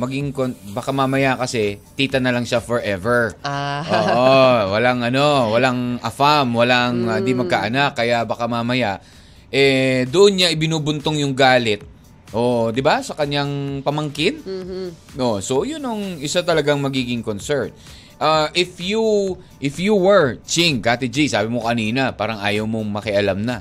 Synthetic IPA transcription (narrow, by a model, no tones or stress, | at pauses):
mɐɡɪŋkonbakamamɐjakɐsɛt̪iːt̪ɐnɐlɐŋʃafoɹʔɛvɛɹʔoːʔʔwɐlaŋʔɐno̞wɐlaŋʔɐfamwɐlaŋɪnd̪imɐɡ̚kaʔɐnakːɐjabɐkamamɐjaʔ | ʔɛd̪ʊʔonɲaʔɪbɪnuːbʊnt̪oŋjʊŋɡaːlɪt̪̚ | ʔo̞d̪ɪbasɐkɐɲaŋpɐmɐŋkɪn | ʔoso̞jʊnɐŋʔɪsat̪ɐlɐɡaŋmɐɡiːɡɪŋkonsɛɹn | ʔaʔɪfju | ʔɪfjuwɛɹt͡ʃɪŋkaːt̪ɪd͡ʒisaːbɪmokɐniːnɐpaːɾɐŋʔaːjɐwmoŋmɐkɛʔɐlamnɐ